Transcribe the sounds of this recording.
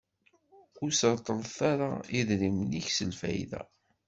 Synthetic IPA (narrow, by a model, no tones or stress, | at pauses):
ʊɾsət̪ˤːəlθaɾaiðɾimniçsəlfæ̰jðæ̰